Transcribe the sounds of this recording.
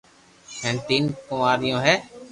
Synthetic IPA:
hɛ̃ːnt̪iːnkʊmaːɾɪjõːɦeː

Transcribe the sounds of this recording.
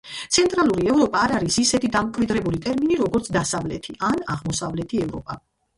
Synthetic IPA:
t̪sʰɛnt̪ʼɾalˠuɾiɛvɾɔpʼaːɾaɾisisɛt̪ʰid̪amkʼvid̪ɾɛbulit̪ʼɛɾminiɾɔɡɔɾt̪sʰd̪asavlɛ̰t̪ʰiʔana̰ʁmɔsavlɛt̪ʰiɛvɾɔpʼa

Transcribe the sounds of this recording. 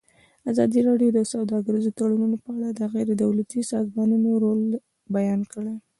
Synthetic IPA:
azɑd̪iɾɑɖjod̪əsawd̪ɑɡəɾizot̪aɽanunopəaɽad̪əaɣed̪əd̪awlat̪isɑzmɑnunoɾol | bajɑnkəɽe

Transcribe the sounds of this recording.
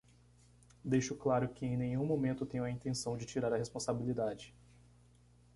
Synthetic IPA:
d̪ejʃʊklaɾʊkɪẽj̃nẽɲũmõmẽnt̪ʊt̪ẽɲʊ̃ɐĩnt̪ẽsɐ̃w̃d͡ʒɪt͡ʃiɾaɾɐɦespõsabilid̪ad͡ʒɪ

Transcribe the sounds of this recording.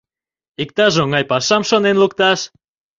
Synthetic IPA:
ikt̪ɑʒoŋɑjpɑʃɑmʃonenlukt̪ɑʃ

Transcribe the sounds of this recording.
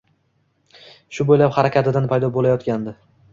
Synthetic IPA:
ʃʊbojlaphaɾakʲʰat̪ɪd̪anpʰajd̪ɒbolajɒt̪kʲand̪ɪ

